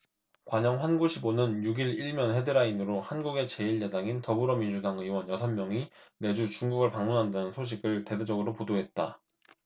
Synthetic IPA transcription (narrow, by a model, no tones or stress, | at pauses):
kwaɲʌŋɸwanɡuɕʰibonɯnjuɡiɭiɭmjʌnhe̞dɯɾainɯɾohanɡuɡe̞t͡ɕe̞iɭjadaŋintʌbuɾʌmind͡ʑudaŋiwʌnjʌsʰʌnmjʌŋine̞d͡ʑut͡ɕuŋɡuɡɯɭpaŋmunɦandanɯnsʰoɕ̬ʰiɡɯɭte̞ded͡ʑʌɡɯɾopodoɦe̞t̚t͈a̰